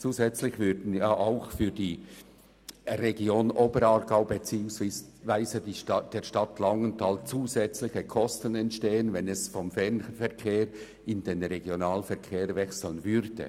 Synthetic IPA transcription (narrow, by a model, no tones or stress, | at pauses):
t͡suːzɛt͡slɪçvʏɾdn̩jʔaʊxfyːɾd̥iː | reɡjoːnoːbəɾɑːɾɡaʊbet͡siːʊŋsvaɪzədid̥eːʃtɑtlɑŋəntʰalt͡suːzɛt͡slɪçəkʰɔstənɛntʃteːənvɛnɛsfɔmfɛʁnfɛɐʁkʰeːɾ | ɪndenʁeɡjonaːlfɛɐkʰeːɾvɛksl̩ənvʏɾd̥ə̰